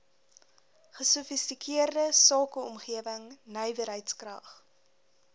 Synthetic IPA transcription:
χəsufistikʰiərdəsɑːkəɔmχiəvəŋnəjvəɾɦəjtskrɐ̰χ

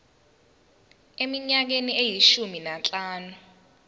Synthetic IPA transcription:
emiɲak̬eniejiʃuminant͡ɬʼaːnu

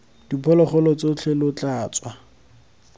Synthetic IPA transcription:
d̥ipʰɔlɔχɔlɔt͡sot͡ɬʰelʊt͡ɬʼaːt͡sʼwa

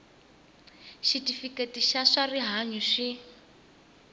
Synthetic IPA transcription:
ʃitifiketiʃaʂariɦaɲuʂi

